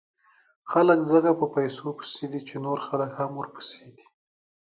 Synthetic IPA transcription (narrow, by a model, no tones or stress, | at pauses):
xaləkzəɡapəpajsopə̥sed̪it͡ʃenoɾxaləkhamwoɾpə̥sed̪i̥